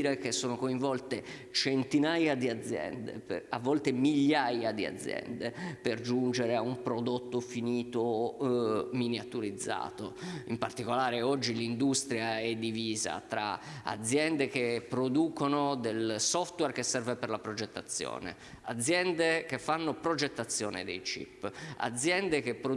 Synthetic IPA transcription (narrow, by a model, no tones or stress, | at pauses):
ɾek̟esːoːnokoiɱvɔlt̪e | t͡ʃent̪inajad̪iad̪zːjɛ̰nd̪ḛpavːɔlt̪emiʎːajad̪ia̰d̪zjɛ̰nd̪eperd͡ʒund͡ʒeɾeaumpɾod̪ot̪ːofiniːt̪o | miniat̪uɾid̪zːa̰ːt̪oimpart̪ikolaːɾeɔd͡ʒːilind̪ust̪ɾjaɛd̪ːiviːza̰t̪ɾa̰ | a̰d̪zjɛnd̪ekepɾod̪uːkonod̪elsɔft̪wɛrkesɛrveperlapɾod͡ʒet̪ːat̪sːjɔ̰ːnḛ | ad̪zjɛnd̪ekefːanːopɾod͡ʒet̪ːat̪sːjɔːnḛd̪ejt͡ʃḭpːa̰d̪zjɛnd̪ekepːɾo